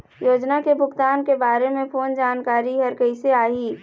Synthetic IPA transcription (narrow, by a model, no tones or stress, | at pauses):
joːd͡ʒnakebʱʊɡt̪aːnkebaːɾemẽpʰoːnd͡ʒaːnkaːɾiɦəɾkəɪseaːɦi